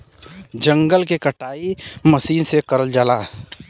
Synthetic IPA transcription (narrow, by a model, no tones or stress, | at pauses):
d͡ʒə̃ŋɡəlkekəʈaːiməsiːnsekɐɾəld͡ʒalaː